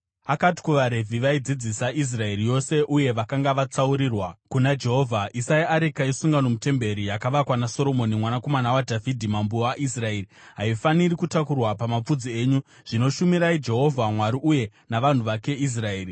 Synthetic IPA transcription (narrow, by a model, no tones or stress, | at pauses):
akati̥kuʋaɾe̞vʱiʋaid͡zid͡zisais̬rae̞ɾijo̞se̞ʔuje̞ʋakaŋɡaʋat͡sauɾiːrwakunad͡ʒe̞ɦo̞vʱaʔisaiaɾikaisuŋɡanomute̞mbe̞ɾijakaʋakwanaso̞ɾo̞mo̞nimwanako̞manawadʱavʱidʱimambuaʔisrae̞ːri | ɦaifanirikutakurwapamap͡fud͡zie̞ːɲu | ʐ̥ino̞ʃumiɾaid͡ʒe̞ɦo̞vʱamwaɾiʔuje̞ | naʋan̤uʋake̞is̬rae̞ːri